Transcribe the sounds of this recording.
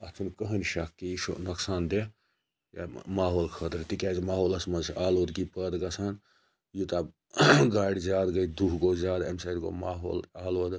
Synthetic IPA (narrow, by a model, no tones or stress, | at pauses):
ɐt̪ʰunkəɦənʃɐkːiiʃo̰nɐksaːnd̪e | ja̰maːɦoːlkʰɐt̪ɾt̪ikʲaːzimaːɦoːlɐsmɐnzʰʔaːloːd̪ɡipɐd̪ɡɐsʰaːn | jut̪ab | ɡaːɽʲizaːd̪ɡɐd̪uɦɡoːzʲaːd̪ḛmsɐːd̪ɡo̰maːɦo̰ːlaːloːd̪